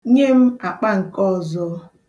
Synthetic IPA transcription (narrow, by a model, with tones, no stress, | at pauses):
ɲe˦m̩˦a˨k͡pa˦ŋ̩˨kɔ˦˨zɔ˨˦